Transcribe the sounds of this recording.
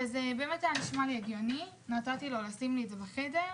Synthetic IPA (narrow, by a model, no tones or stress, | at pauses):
ezebemetaaniʃmaleɡjoni | natat̪ilolasimlizevaχedeʁ